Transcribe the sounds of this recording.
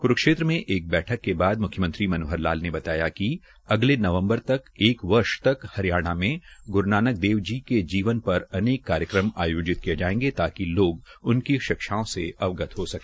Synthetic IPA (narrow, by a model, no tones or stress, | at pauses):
kʊɾəkʃeːt̪ɾəmẽʔeːk̚bɛːʈʰəkːebaːd̪̚mʊkʰjəmə̃nt̪ɾimɐnoːɦəɾlaːlnebɐt̪aːjaki | ɐɡlenɐʋə̃mbəɾt̪ɐkeːkʋɐɾʃt̪ɐkhɐɾjaːɽ̃amẽɡʊɾnaːnək̚d̪eːʋd͡ʒiked͡ʒiːʋənpɐɾɐneːkːaːɾjəkɾəma̰ːjoːd͡ʒɪt̪kied͡ʒaːẽːŋɡet̪aːkiloːɡʊnkiʃɪkʃaːõseɐʋɡət̪ɦosɐkeː